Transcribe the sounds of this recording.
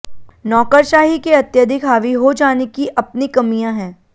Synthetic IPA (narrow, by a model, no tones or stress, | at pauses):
nɔːkəɾʃaːɦikeɐt̪jəd̪ʱɪkɦaːʋiɦod͡ʒaːnekiʔɐp̚nikɐmijãɦɛ̃ː